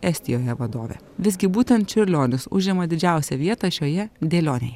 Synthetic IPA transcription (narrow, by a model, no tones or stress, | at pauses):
ɛsʲt̪ʲɪjoːjɛʋɐd̪o̰ːʋʲḛː | ʋʲɪsɡʲɪbuːt̪ʲɛnt̪t͡ʃʲʊɾʲlʲoːnʲʊsʊ̰ʒʲɛmɐd̪ʲɪd͡ʒʲæˑʊsʲɛʋʲiɛt̪ɑːʃʲoːjɛd̪ʲeːlʲoːnʲejɛ